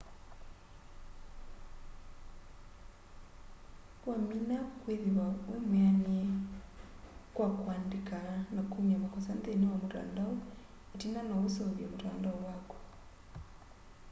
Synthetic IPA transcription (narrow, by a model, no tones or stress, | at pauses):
waminakweðewawemeaniɛ | kwakwaːndikanakumiamakɔsɛnt̪ɛnewamoɾa̰ndaɔ | etinanaosɔðjamoɾandaɔwakwɔ̥